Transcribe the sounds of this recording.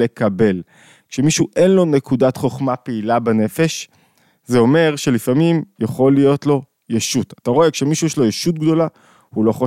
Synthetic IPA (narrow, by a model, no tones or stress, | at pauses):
ekabe̞l | kʃemiʃuʔe̞nlo̞ne̞kudat̪χo̞χmapeilabene̞fe̞ʃ | zeo̞me̞ʁʃe̞lifamimjeχo̞lijo̞tlo̞ | jeʃut̪at̪aʁo̞ekʃemiʃujɛʃlo̞jeʃut̪ɡd̪o̞la | hulo̞χo